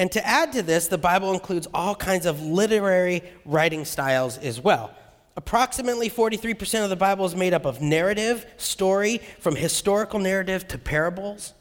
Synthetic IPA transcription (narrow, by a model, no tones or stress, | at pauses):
ɨ̃ntʰɨʔæd̚tɨðɪsðəbaɪbl̩ˠə̃nkʰl̥ʉdzɔlˠkʰãɪ̃ndzʌvlɪɾə˞ɛɹiɹaɪɾɪ̃ŋstaɪlˠzɨzwɛlˠ | əpʰɹ̥ɑksɨmɨtˡlifɔɹɾiθɹipʰə˞sɛ̃ñʌvðəbaɪbl̩ˠəzmeɪɾʌpʌvnɛɹɨɾɪv̥stɔɹifɹʌ̃mɨstɔɹɨkl̩ˠnɛɹɨɾɪv̥tʰɨpʰɛɹɨbl̩ˠz̥